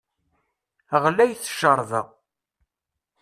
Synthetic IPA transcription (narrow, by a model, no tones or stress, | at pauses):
ʁlæjθʃəɾˤðə̰